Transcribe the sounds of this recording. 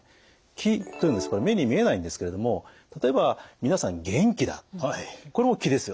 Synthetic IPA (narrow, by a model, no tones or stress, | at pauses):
kʲʰit̪ːojɯ̟nd̪eɨ̥koɾeme̞ɲ̟imʲie̞naĩnd̪e̞sɨ̥ke̞ɾe̞d̪o̞mo̞ | t̪at̪o̞e̞bamʲinasãŋɡẽ̞ŋkʲid̪a̰ | ko̞ɾe̞mo̞kʲid̪e̞sɨjo